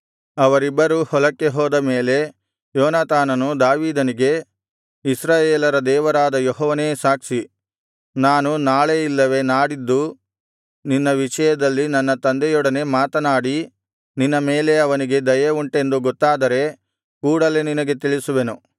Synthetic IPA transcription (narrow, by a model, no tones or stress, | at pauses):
ɐʋɐɾibːɐɾuhɔlɐkːe̞ɦɔːd̪ɐmeːle̞ | jɔːnaːt̪aːnɐnud̪aːʋiːd̪ɐniɡe̞ | isɾaːjeːlɐɾɐd̪ɛːʋɐɾaːd̪ɐjɔɦɔːʋɐneːsaːkʂi | naːnunaːɭeilːɐʋe̞naːɽid̪ːu | ninːɐʋiʂɐjɐd̪ɐlːinɐnːɐt̪ɐnd̪ɛjɔɽɐne̞maːt̪ɐnaːɽi | ninːɐme̞ːle̞ɐʋɐniɡe̞d̪ɐjɐuɳʈe̞nd̪uɡɔt̪ːaːd̪ɐɾe̞ | kuːɽɐle̞ninɐɡe̞t̪iɭisuʋe̞nu